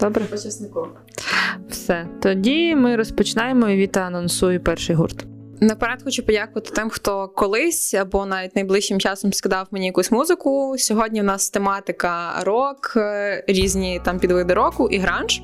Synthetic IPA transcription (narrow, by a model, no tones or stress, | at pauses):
d̪̥ɔbɾɛɔt͡ʃɐsnɪkɔ | wsɛt̪ɔdʲimɪɾɔspɔt͡ʃɪnɑjemɔiʋʲit̪ɐɐnɔnsujʊpɛrʃɪjɦṵrt̪ | nɐpɐɾɑt̪xɔt͡ʃʊpɔdʲakʊʋɐt̪ɪ̥t̪ɪmxt̪ɔkɔlˠɪsʲɐbɔnɑʋʲit̚ʲnɐjblˠɪʃt͡ʃːɪmt͡ʃɑsɔmskɪd̪ɑwmenʲijɐkusʲmuzɪkʊsʲɔɦɔdʲnʲiwnɑst̪emɑt̪ɪkɐɾɔkɾʲizʲnʲit̪ɑmpʲid̪ʋɪd̪ɪɾɔkʊʔiɦɾɑnʒ